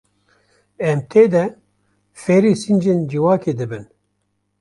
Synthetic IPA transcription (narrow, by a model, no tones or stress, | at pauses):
ɛmt̪ʰeːd̪ɛ | feɾisind͡ʒend͡ʒiwɑːkeːd̪ɨbɨn